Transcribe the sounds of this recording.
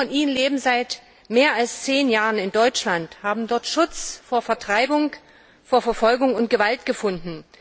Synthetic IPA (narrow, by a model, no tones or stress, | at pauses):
ɔnʔiːnənleːbm̩zaɪt | meːɐalst͡seːnjaːʁənɪndɔʏt͡ʃlanthaːbm̩dɔɐtʃʊt͡sfoːɐfɛɐtʁ̥aɪbʊŋ | foːɐfɛɐfɔlɡʊŋʊnt̚ɡ̥əvaltɡ̥əfʊndn̩